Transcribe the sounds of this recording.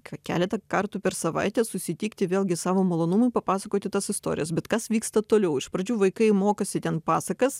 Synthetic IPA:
kɐkʲæ̰ːlʲɛt̪ɐkɐɾt̪uːpʲɛɾsɐʋɐ̰ɪt̪ʲɛsʊsʲɪt̪ʲiːkt̪ʲɪʋʲeːlʲˠɡʲɪsɑːʋoːmɐlˠoːnʊmʊɪpɐpɑːsɐkoːt̪ʲɪt̪ɐsɪst̪o̰ːɾʲɪjɛsbʲɛt̪kɐsʋʲiːkst̪ɐt̪oːlʲɛʊɪʃpɾɐd͡ʒʲuːʋɐɪkɐɪmoːkɐsʲɪt̪ʲɛnpɑːsɐkɐs

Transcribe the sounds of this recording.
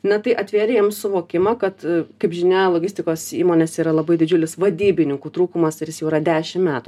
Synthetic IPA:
nʲɛt̪ɐɪʔɐt̪ʲʋʲeːɾʲejɛmsʊʋoːkʲɪmɐkɐt̪kɐɪpʒʲɪnʲeːjlˠoːɡʲɪsʲt̪ʲɪkoːsḭːmoːnʲeːsiːɾɐlˠɐbɐɪd̪ʲɪd͡ʒʲʊlʲɪsʋɐd̪ʲiːbʲɪnʲɪŋkuːt̪ɾuːkʊmɐsjɪsjɛʊɾɐd̪ʲæːʃʲɪmmʲæːt̪u

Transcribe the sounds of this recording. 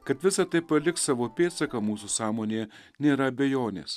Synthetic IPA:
kɐt̪ʋʲɪsɐt̪ɐɪpɐlʲɪkssɑːʋoːpʲeːt̪sɐkɐmuːsusɑːmoːnʲeː | nʲeːɾɐɐbʲɛjoːnʲḛːs

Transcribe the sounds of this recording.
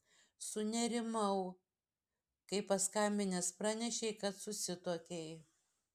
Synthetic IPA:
sʊnʲɛɾʲɪmɐʊ | kɐɪpɐskɐmʲbʲɪnʲɛspɾɑːnʲɛʃʲɛɪkɐt̪sʊsʲɪt̪uɔkʲɛɪ

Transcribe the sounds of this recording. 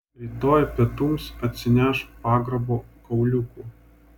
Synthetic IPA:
ɾʲiːt̪oːjpʲiɛt̪ʊmsɐt̪ʲsʲɪnʲæʃpɑːɡɾɐboːkɐʊlʲʊkuːˑ

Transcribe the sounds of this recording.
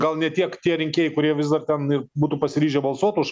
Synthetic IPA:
ɡɐlˠnʲɛt̪ʲiɛkt̪ʲiɛɾʲɪŋʲkʲeɛːjɛɪkʊɾʲiɛʋʲɪzd̪ɐrt̪ʲɛnɪrbuːt̪uːpɐsʲɪɾʲiːʒʲɛbɐlˠsuɔt̪ʊʃ

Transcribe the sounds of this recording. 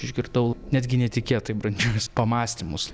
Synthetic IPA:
ɪʒʲɡʲɪɾt̪ɐʊnʲæd̪ʲɡʲɪnʲɛt̪ʲɪkʲiɛt̪ɐɪbɾɐnʲd͡ʒʲuspɐmɑːsʲt̪ʲɪmʊs

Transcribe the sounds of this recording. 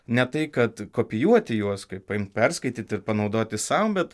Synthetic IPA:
nʲɛt̪ɐɪkɐt̪koːpʲɪjuɔt̪ʲɪjuɔskɐɪpɐɪmt̪̚pʲɛrskɐɪt̪ʲiːt̪ʲɪɾpɐnɒʊd̪oːt̪ʲɪssɐʊmbʲɛt̪

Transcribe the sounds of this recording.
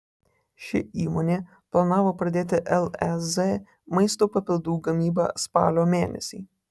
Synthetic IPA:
ʃʲɪ̰iːmoːnʲeː | plˠɐnɑːʋoːpɾɐd̪ʲeːt̪ʲɪʔɛlˠɛse | mɐɪst̪oːpɐpʲɪlʲˠd̪uːɡɐmʲiːbɑ̰ːspɑ̰ːlʲoːmʲeːnʲɛ̰sʲiː

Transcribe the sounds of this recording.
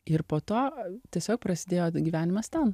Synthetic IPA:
ɪɾpoːt̪oːt̪ʲiɛsʲoːk̚pɾɐsʲɪd̪ʲeːjoːɡʲiːʋʲæːnʲɪmɐst̪ʲɛn

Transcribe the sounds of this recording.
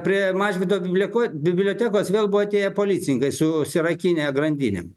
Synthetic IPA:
pʲɾʲiɛmɑːʒʲʋʲɪt̪oːbʲɪbʲlʲkobʲɪbʲlʲoːt̪ʲæːkoːsʋʲeːlˠbuʋoːt̪ʲiɛɛpoːlʲiːt͡s̪ʲɪnʲɪŋkɐɪsʊsʲɪɾɐkʲiːnʲeɡɾɐnʲd̪ʲiːnʲḛm

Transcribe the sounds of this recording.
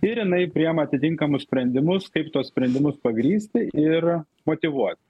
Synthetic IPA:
ɪɾjɪnɐɪpʲɾʲɪɛmɐt̪ʲɪt̪ʲɪŋkɐmʊssʲpʲɾʲɛnʲd̪ʲɪmʊskɐɪpt̪uɔssʲpʲɾʲɛnʲd̪ʲɪmʊspɐɡɾʲiːsʲt̪ʲɪɪr | moːt̪ʲɪʋuɔt̪ʲ

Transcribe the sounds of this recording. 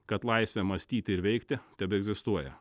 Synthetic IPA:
kɐt̪lˠɐɪsʲʋʲɛmɐsʲt̪ʲiːt̪ʲɪɪɾʋʲɛɪkt̪ʲɪt̪ʲɛbʲɪɛɡzʲɪst̪uɔjɛ̰

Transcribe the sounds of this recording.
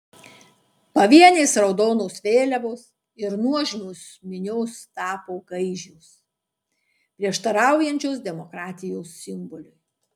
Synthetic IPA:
pɐʋʲiɛnʲeːsɾɒʊd̪oːnoːsʋʲeːlʲɛʋoːs | ɪɾnuɔʒʲmʲoːs | mʲɪnʲoːst̪ɑːpoːɡɐɪʒʲʊːs | pʲɾʲiɛʃt̪ɐɾɑˑʊjɛnʲt͡ʃʲoːs̬d̪ʲɛmɔkɾɑːt̪ʲɪjoːsːʲɪmbɔlʲʊj

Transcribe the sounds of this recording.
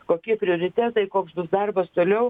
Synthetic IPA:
koːkʲiɛpʲɾʲɪoːɾʲɪt̪ʲæːt̪ɐɪkoːksbʊsd̪ɐrbɐst̪oːlʲɛʊ

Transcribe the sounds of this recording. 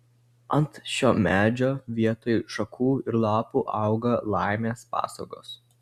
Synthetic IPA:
ɐnt̪ʃʲoːmʲæːd͡ʒʲoːʋʲiɛt̪oːjʃɐkʰuːɪɾlˠɑːpuːʔɑˑʊɡɐlˠɑˑɪmʲeːspɑ̰ːso̰ːɡo̰ːs

